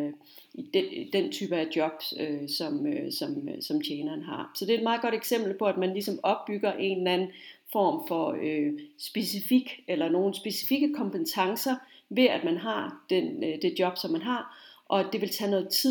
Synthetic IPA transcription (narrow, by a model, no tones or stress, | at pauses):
id̥ed̥ent͡sʰy̰ːb̥əæd̥jɒ̽b̥øsɒ̽møsɒ̽msɒ̽mt͡ɕʰeːnɐːnɦɑ̈sɒ̽d̥e̝æed̥̚mɑ̈ːð̩ˠɡɒ̽ɾ̥eɡ̥sem̰b̥l̩pʰɒ̽æd̥mænlisɒ̽mɒ̽b̥ːyɡ̥ɐʔe̝̰nlænn̩fɒ̰ːmfɒ̽øsb̥e̝sifiɡ̥elɐno̝ːn̩sb̥e̝si̥fiɡ̥əkʰɒ̽mb̥ent͡sʰɑ̈ŋsɐ | ʋe̝æd̥mænɦɑ̈d̥end̥e̝d̥jɒ̽b̥sɒ̽mːænɦɑ̈ʔɒ̽d̥e̝ʋe̝lt͡sʰænɔ̽ːð̩ˠt͡sʰi